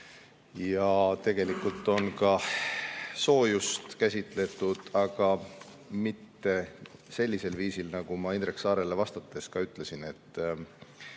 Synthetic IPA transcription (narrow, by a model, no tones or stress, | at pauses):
jɑt̪e̞ɡ̥e̞likult̪ːˑo̞nkɑ | so̞ːjust̪kæsʲit̪le̞t̪ˑːud̪̥ɑɡ̥ɑmit̪ːe̞se̞lʲːise̞lviːsilnɑɡ̥umɑinreksɑːɾe̞le̞vɑst̪ɑt̪ːˑe̞skɑyt̪ːˑle̞sine̞t̪ːˑ